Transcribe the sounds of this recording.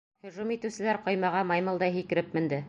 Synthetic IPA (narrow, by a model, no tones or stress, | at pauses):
hɵ̆ʒumit̪ɘ̆wsɘ̆læɾqŏjmɑʁɑmɑjmɤlˠd̪ɑjɦikɘ̆ɾɘp̚mɘ̆nd̪ɘ